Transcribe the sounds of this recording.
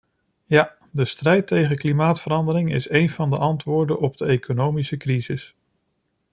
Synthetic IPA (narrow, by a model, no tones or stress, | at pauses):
ja | dəstrɛjtejχənklimaːtfəɾɑndəɾɪŋɪ̰sejnvɑndəʔɑntʋʊːɹdənɔb̚dəejkʰonowmisəkrizɪs